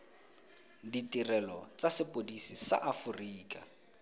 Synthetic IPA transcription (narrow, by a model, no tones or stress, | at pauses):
ditirɛlɔt͡sasɪpʼodisisa̰ʔafuriːkʼa